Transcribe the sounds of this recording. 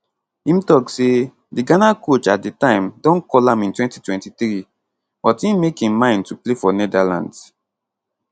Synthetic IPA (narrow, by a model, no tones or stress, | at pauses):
ĩmtɔkse | diɡanakot͡ʃat̚ditãɪ̃mdɔ̃nkɔlãmĩntwɛ̃ntitwɛ̃ntiθɾi | bɔtĩmekĩmmãɪ̃ntuplefɔnɛdalã̰nds